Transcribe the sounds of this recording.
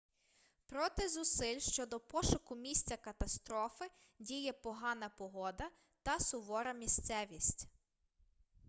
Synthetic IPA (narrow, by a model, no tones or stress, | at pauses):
pɾɔt̪ɪzʊsɪlʲʃt͡ʃɔd̪ɔpɔʃʊkʊmʲisʲt͡sʲɐkɐt̪ɐst̪ɾɔfɪ | dʲijɛpɔɦɑnɐpɔɦɔd̪ɐ | t̪ɐsʊʋɔɾɐmʲist̪sɛʋʲisʲtʲ